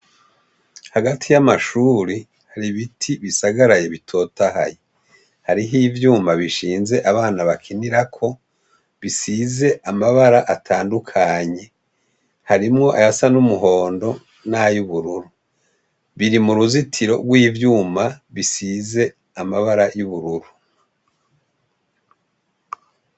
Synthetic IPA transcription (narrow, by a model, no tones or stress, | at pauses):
haɡatʰijamaʃuːɾi | haɾiβitʰiβisaɡaɾaje̞βitʰo̞ːtaha̰je | haɾiɦiːvjuːmaβiʃiːnze̞ʔaβaːnaβakʰiniɾakʰo̞ | βisize̞ʔamaβaɾaʔatʰaːndukʰaɲe̞ | haɾimŋo̞ʔa̰jasanumuɦo̞ːndo̞ | najuβuɾuɾu | βiɾimuɾuzitʰiɾo̞̰ɡwiːvjuːmaβisize̞ | amaβaɾajuβuɾuɾu